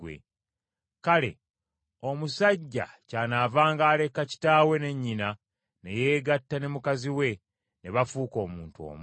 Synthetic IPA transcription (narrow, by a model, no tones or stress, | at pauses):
wḛ | kale̞̰ | o̞musaɟːa̰caːnavaːŋɡaːle̞kaci̥taːwe̞ne̞ɲːina | ne̞̰je̞ːɡatːane̞mukaziwe̞ | ne̞βafuːko̞ːmuːntuo̞̰ːmu